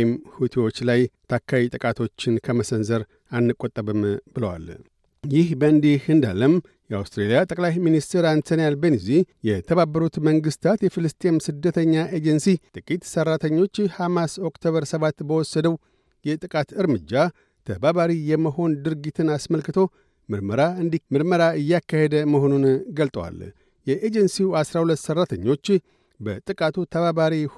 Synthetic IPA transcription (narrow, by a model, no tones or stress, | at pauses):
mhut̪ʰewo̞t͡ʃːlajt̪ʰakʰːaβit̪ʼɨkʼat̪ʰo̞t͡ʃːɪnkʰəməsənzəɾ | anːɨkʼːot̪ʼːəβɨmbɨləwa̰l | jɪhbəɨnd̪ihɨnd̪a̰lːəm | jɛawst̪ɾelijat̪ʼəkʼlajminist̪ʰeɾant̪ʰonijalbenizijɛt̪ʰəβabːəɾut̪məŋɡɨst̪ʰat̪jɛfɨlɨst̪ʼeemsɨd̪ːət̪ʰəɲːaʔe̞d͡ʒɛnsit̪ʼɨkʼit̪sərːat̪ʰəɲːo̞t͡ʃːhamaso̞kt̪ʰoβəɾsəβat̪ːbəwɔsːəd̪əw | jɛt̪ʼɨkʼat̪ɨɾmɨd͡ʒːa | t̪ʰə̰baβaɾijɛməɦo̞nd̪ɨɾɡit̪ʰɨnasməlkɨt̪ʰo̞ | mɨɾməɾaɨnd̪imɨɾməɾaɨjːakːahed̪əməɦo̞nunɡəlt̪ʼəwa̰l | jɛʔed͡ʒɛnsiwasɾahulət̪ːsərːat̪ʰəɲːo̞t͡ʃː | bə̰t̪ʼɨkʼat̪ʰut̪ʰəβaβaɾi